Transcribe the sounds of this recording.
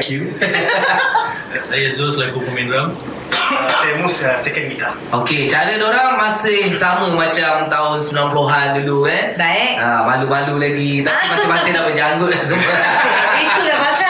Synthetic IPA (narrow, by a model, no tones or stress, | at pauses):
ku | sajazoslaɡupəmɛ̃ndoɾaŋ | sɛmussɛkənmit̪a | oket͡ʃaɾədoɾaŋmasɪhsamə̃mãt͡ʃamt̪aʊnsəmilanploɦandudukanbaamalumalulaɡit̪apimasɪhmasɪhdapat̪̚d͡ʒaŋɡʊt̪̚as̬əməpiiaa